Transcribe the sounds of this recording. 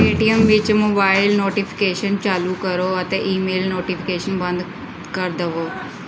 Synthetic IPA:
eːʈijəmʋɪt͡ʃmoːbaːɪlnoːʈipʰi̥keːʃənt͡ʃaːlukəɾoːɐt̪eʔiːmeːlnoːʈipʰikeːʃənbɐ̃nd̪ | kəɾd̪əʋoː

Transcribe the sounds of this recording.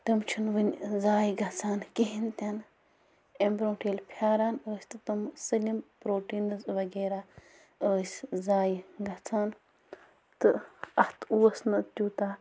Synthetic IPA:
t̪ɐmt͡ʃʰunʋɨnʲzaːjɡɐt͡sʰaːnkeɦint̪ʲɐn | embɾõːʈiːlʲpʰjaːɾaːnəːsʲt̪ɨt̪ɨmsɨlʲimpɾoːʈiːnɨzʋɐɡeːɾaː | əːsʲzaːjɡɐt͡sʰaːn | t̪ɨɐht̪ʰuʋɐsnɨt̪ʲuːt̪aː

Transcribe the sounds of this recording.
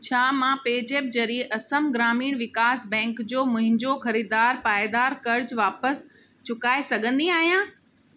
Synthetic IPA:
t͡ɕʰaːmãpeːd͡ʑeːb̚d͡ʑɐɾieʔɐsəmɡɾaːmiːɽ̃ʋɪkaːsbɛ̃ːŋkd͡ʑoːmʊ̃ɦɪ̃ɲd͡ʑoxɐɾiːd̪aːɾpaːed̪aːɾkɐɾd͡ʑʋaːpəs | t͡ɕʊkaːesɐɡʱə̃nd̪iaːɦijãː

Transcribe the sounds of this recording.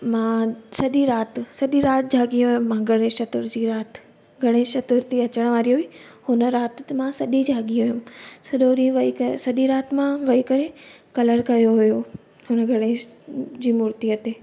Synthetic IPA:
mãːsɐɗiɾaːt̪sɐɗiɾaːt̪d͡ʑʱaːɡijũɦʊ̃mmãɡʱɐɽ̃eʃɐt̪ʊɾd͡ʑiːɾaːt̪ | ɡʱɐɽ̃eʃɐt̪ʊɾt̪iɐt͡ɕəɽ̃ʋaːɾiɦʊi | hʊnə̆ɾaːt̪mãsɐɗid͡ʑʱaːɠiʊɦʊmsɐɗoɾiʋɐikɐsɐɗiɾaːt̪mãʋɐikɐɾekɐləɾkɐjoɦʊjo | ɦʊnəɡʱɐɽ̃ed͡ʑiːmʊɾt̪iət̪e

